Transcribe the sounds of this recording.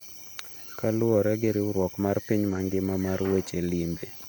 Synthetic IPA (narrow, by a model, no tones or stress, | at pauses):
kalʊɔɾɛɡeɾɪʊɾwɔkmarpiɲmaŋɡɪmamarwet͡ʃelimbe